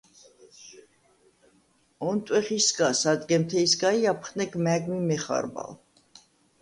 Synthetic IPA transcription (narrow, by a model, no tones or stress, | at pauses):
ɔnt̪ʼwɛχisɡasad̪ɡɛmt̪ʰɛisɡaiapʰχnɛɡmæɡmimɛχa̰ɾba̰l